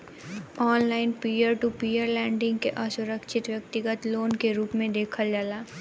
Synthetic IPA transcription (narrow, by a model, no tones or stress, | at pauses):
ɔːnlaːɪnpiːjəɾʈupiːjəɾlɛ̃ːɳɖɪ̃ŋɡkeʔasʊɾəkʃɪt̪ʋjɐk̚t̪ɪɡət̪loːnkeɾuːpmẽd̪eːkʰəld͡ʒaːlaː